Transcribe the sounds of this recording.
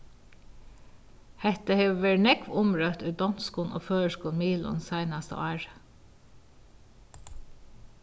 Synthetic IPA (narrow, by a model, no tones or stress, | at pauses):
hɛht̪əheːʋɛɹɳɛkʋʊmɹœt̪ʉːd̪ɔnskuːnʔo̰ːføːəʃkuːnmiːlʊ̰nsæɪnɑst̪ə̰ʔɑːɹ